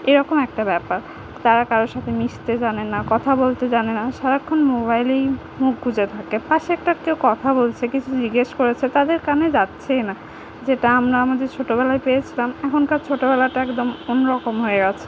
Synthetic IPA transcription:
eɾɔkomɛk̚ʈabɛpaɾ | t̪aɾakaɾoʃat̪ʰemiʃt̪ed͡ʑanenakɔt̪ʰabolt̪ed͡ʑanenaʃaɾakʰːonmoβajlej | muk̚ɡʱud͡ʑet̪ʰakepaʃɛk̚ʈakewkɔt̪ʰabolt͡ɕʰekit͡ɕʰud͡ʑiɡeʃkoɾet͡ɕʰet̪ad̪eɾkaned͡ʑatːɕʰena | d͡ʑeʈaamɾaamad̪eɾt͡ɕʰoʈobɛlaepeet͡ɕʰilamɛkʰonkaɾt͡ɕʰoʈobɛlaʈaɛkd̪omonɾɔkomɦoeɡɛt͡ɕʰe̥

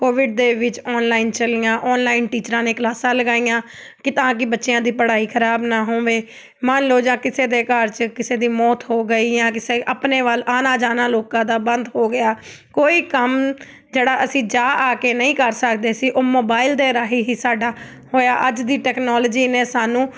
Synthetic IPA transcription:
koːʋɪɖ̚d̪eːʋɪt͡ʃɔːnlaːɪːnt͡ʃəlɪjãːʔɔːnlaːɪnʈiːt͡ʃɾãːneːklaːsãːləɡaːijãː | kɪt̪ãːk̬ɪbətːʃɪjãːd̪iːpəɽaːiːkʰəɾaːbnaːɦõːʋeː | mənloːd͡ʒãːkɪseːd̪eːkəɾt͡ʃkɪseːd̪iːmɔːt̪ɦoːɡəiːãːk̬ɪseːʔəpneːʋəlaːnaːd͡ʒaːnãːloːkãːd̪aːbənd̪ɦoːɡɪjaː | koːiːkəm | d͡ʒeːɽaːʔəsĩːd͡ʒaːʔaːkeːnəĩːkəɾsəkd̪eːsiːʔoːmoːbaːɪld̪eːɾaːɦiːɦiːsaːɖaː | hoːjaːʔəd͡ʒd̪iːʈɛːknɔːld͡ʒiːneːsaːnũː

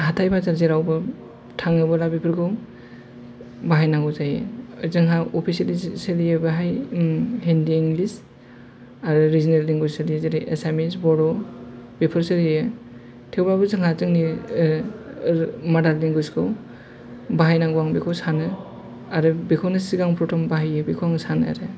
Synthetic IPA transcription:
ɦatʰajbazaɾzeɾawbɯ | tʰaŋɯbɯlabipʰɯɾɡʰɯw | baɦajnaŋɡɔzajḛzɯŋɦaɔpʰiseliselijɯbaɦaj | ɦendiːŋɡlis | aɾɯɾizineldiŋɡusɯɾizeɾiʔesamisbɔɾɔb̥ipʰɯɾsɯɾijɯ | tʰewblabɯzɯŋɦazɯŋni | madalliŋɡuskʰɯw | baɦajnaɡuwaŋbikʰɔwsanɯ | aɾɯbikʰɔwnɯsiɡaŋpʰɾɔtʰɔmbaɦajɯbikʰɔwaŋsanɯa̰ɾɯ

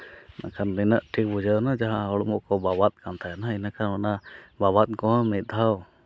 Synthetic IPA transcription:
nʔa̰kʰand̪inəʔʈʰik̚bud͡ʒənad͡ʒaɦãɔɽmɔʔkɔbabat̪̚kant̪ʰajanainakʰananabaβat̪̚kɔɦãmit̪̚ˀd̪ʱaw

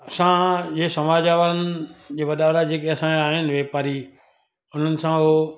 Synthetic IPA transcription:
ɐsãd͡ʑeːsɐmaːd͡ʑaːʋəɾənɪd͡ʑeːʋɐɗaːʋɾad͡ʑeːkeɐsãaːɦɪnɪʋeːpaːɾi | ʊn̤ənɪ̆sã

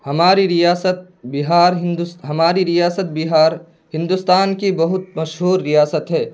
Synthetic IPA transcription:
hɐmaːɾiɾijaːsət̪̚ | bɪɦaːɾɦɪ̃nd̪ɦɐmaːɾiɾijaːsət̪̚bɪɦaːɾ | hɪ̃nd̪ust̪aːnkibɐɦʊt̪̚mɐʃɦuːɾːijaːsət̪ɦɛː

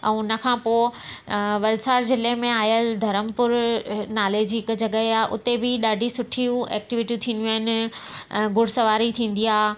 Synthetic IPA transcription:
ɛ̃ːnəkʰãːpoː | ʋɐlsaːɾzɪlemẽaːjəld̪ʱɐɾəmpʊɾnaːleːd͡ʑɪkd͡ʑɐɠəeaːʔʊ̰t̪ebɪɗaːɖʱisʊʈʰiũɛːk̚ʈɪʋɪʈiũt̪ʰiːnd̪juaɦɪn | ɡʊɽ̤sɐʋaːɾit̪ʰĩːn̆d̪iaː

